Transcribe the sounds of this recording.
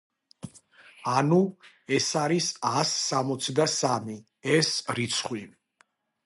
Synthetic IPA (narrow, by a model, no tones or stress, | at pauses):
anu | ɛsaɾisasːamɔt̪sʰd̪asami | ɛsɾit̪sʰχwi